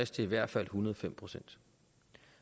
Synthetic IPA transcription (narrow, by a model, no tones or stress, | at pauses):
esd̥ʰe̝iʋæɐ̰d̥fæl̰hunɐð̞̩ˠfem̰pʰʁo̝sen̰d̥